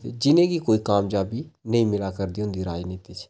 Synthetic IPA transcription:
t̪ḛːd͡ʒɪnẽːkiːkoːiːkaːmd͡ʒaːbiːnəĩːmɪlaːkəɾd̪iːɦʊ̃nd̪iːɾaːiniːt̪iːt͡ʃ

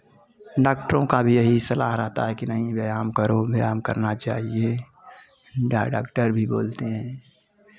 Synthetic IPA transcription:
ɖaːk̚ʈəɾõkabʱijɐɦisɐlaːɦɾɛɦt̪a̰ɦɛkinɐɦĩbejaːmkəɾobʱjaːmkəɾnat͡ʃaːɦie | ɖaɖaːkʈəɾbʱiboːlt̪eɦɛ̃ː

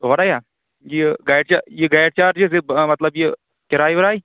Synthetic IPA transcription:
ʋɐɽaːjaː | jeɡaːjʈt͡ʃaːjeɡaːjʈ̚t͡ʃaːɾd͡ʒes̬ebmɐt̪ləbje | kɪɾaːiʋɐɾaːi

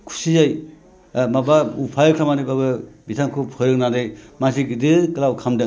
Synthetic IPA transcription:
kʰu̥sizaj | mabaupʰajkʰɾamanɯbabɯbitʰamkʰupʰɔɾɯk̚nadɯjmas̬iɡidɯkɯlawkʰamda

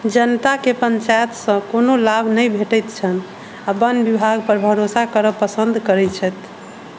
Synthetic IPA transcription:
d͡ʒənt̪akepəɲt͡ʃajət̪sə̃konolabʱnəjbʱeʈɛjt̪t͡ʃʰən | abənbibʱaɡ̚pəɾbʱəɾosakəɾəpəsənd̪ʱkəɾɛt͡ʃʰɛt̪

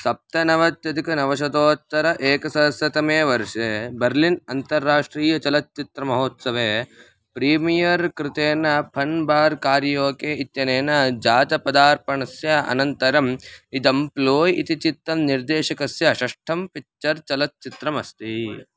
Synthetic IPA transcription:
sɐp̚t̪ɐnɐʋɐt̪jɐd̪ikɐnɐʋɐʃɐd̪oːt̪ːɐɾɐʔeːkɐsɐɦɐsjɐt̪ɐmeːʋɐɾʂeːbɐɾlinɐnt̪ɐɾːaːʂʈɾiːjɐt͡ʃɐlɐt̪̚t͡ʃit̪ɾɐmɐɦoːt̪sɐʋeː | pɾiːmijɐɾkɾɪt̪eːnɐpʰɐnbaːɾkaːɾjoːkeːit̪jɐneːnɐd͡ʒaːt̪ɐpɐd̪aːɾpɐɳɐsjɐɐ̰nɐnt̪ɐɾɐmid̪ɐmploːjit̪it͡ʃit̪ːɐmniɾd̪eːʃɐkɐsjɐʃɐʂʈʰɐmpikt͡ʃɐɾt͡ʃɐlɐt̪̚t͡ʃit̪ɾɐmɐst̪i

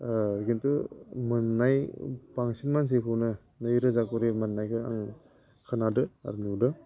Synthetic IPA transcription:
ɡintumɯnːajpaŋsinmans̬ikʰɯwnɯ | nɯjɾɯzakoɾemɐnːajkʰɯaŋ | kʰanadɯa̰ɾnudɯ

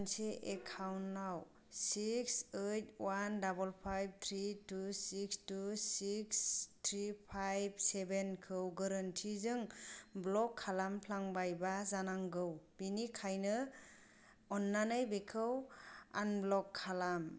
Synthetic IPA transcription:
nseʔekʰawnːaw | siksejt̚wandabəlpʰajb̚t̪ʰɾitusikstusikst̪ʰɾipʰajb̚sebenkʰɯwɡaɾantʰizɯŋblɔkʰːalampʰlaŋbajbazanaŋɡɯwbinikʰajnɯ | ɔnːanɯjbekʰɯwa̰nblɔkʰːalam

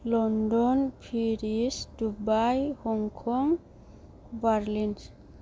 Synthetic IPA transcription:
lɔndɔnpʰiɾisdubajhɔŋkʰɔŋ | baɾlin

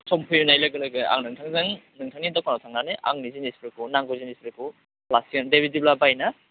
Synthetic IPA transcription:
sɔmpʰujunajlaɡɯlaɡɯa̰ŋnɯŋtʰaŋzɯŋnɯŋtʰaŋnidɔkanɔtʰaŋnanɯʔa̰ŋnizinispɾikunaŋɡozinispɾiku | plasindebidiblabajna

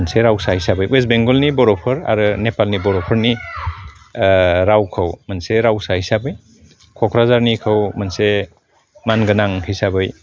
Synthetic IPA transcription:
nseɾawsaɦijsabɯjwesbeŋɡɔlnibɔɾɔpʰɯɾa̰ɾɯnepalnibɔɾɔpʰɔɾni | ɾawkʰɯwmanseɾawsaɦijsabɯj | kʰɔkʰɾazaɾnikʰɯwmanse | manɡɯnaŋhijsabɯj

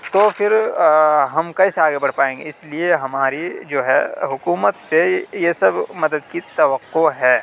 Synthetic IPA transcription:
t̪ofʰɪɾ | ɦɐmkɐɪseaːɡebɐɽ̤paːẽːŋɡḛɪslieɦɐmaːɾid͡ʒoːɦɛ̰ɦʊkuːmət̪sejesɐbmɐd̪əd̪kit̪ɐʋəqːoɦɛː

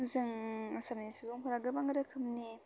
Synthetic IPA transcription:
zɯŋasamnisɯbɯŋkʰuɾaɡɯbaŋɡɾɯkʰɯmni

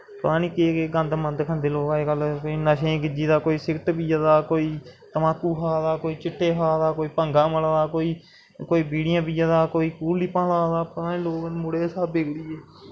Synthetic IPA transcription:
pəɾãːniːkeːkeɡə̃nd̪mənd̪kʰənd̪eːloːkaeːkəlkoiːnəʃẽːɡɪd͡ʒiːd̪aːkoːiːsɪkʈbiːd͡ʒaːd̪aːkoːiːt̪əmãːkuːɦaːd̪aːkoːiːt͡ʃɪʈʰːeːɦaːd̪aːkoːiːpəŋɡãːməlaːd̪aːkoːiː | koːiːbiːɽɪjãːbiːd͡ʒaːd̪aːkoːiːkuːliːpãːlaːd̪aːpət̪ãːnĩːloːknmʊɽeːsaːbeɡɽiːeː

